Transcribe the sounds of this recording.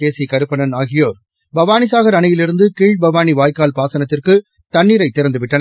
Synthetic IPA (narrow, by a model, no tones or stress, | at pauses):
eːsikɐɾɯpːɐnɐnaːɣɪjoːɾ | bɐʋaːnisaːɣɐɾɐnɐjɪlɪɾɯnd̪ɯkiːɻ̚bɐʋaːniʋaːjkaːlpaːsɐnɐt̪ːɪrkɯ | t̪ɐɳːiːɾɐɪt̪ːɪɾɐnd̪ɯʋɪʈːɐn